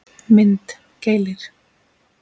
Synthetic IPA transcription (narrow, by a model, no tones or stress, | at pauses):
mɪnt̪ | ceːjlɪɾ̥